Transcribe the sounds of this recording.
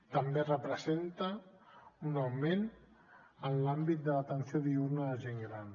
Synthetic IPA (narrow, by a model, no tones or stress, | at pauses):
t̪əmberəpɾəzent̪ə | unawmen | ənlambit̪̚d̪ələt̪ənsioðiuɾnəðəʒeŋɡɾan